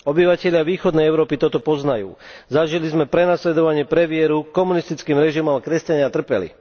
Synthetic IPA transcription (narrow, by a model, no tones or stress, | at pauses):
ɔbiʋacɛʎɪaʋiːxɔd̪nɛjɛʊɾɔːpit̪ɔt̪ɔpɔznajṵːzaʒilizmɛpɾɛnaslɛd̪ɔʋaɲɪɛpɾɛʋɪɛɾukɔmunist̪it͡skiːmɾɛʒimɔmkɾɛscaɲɪat̪r̩pɛlḭ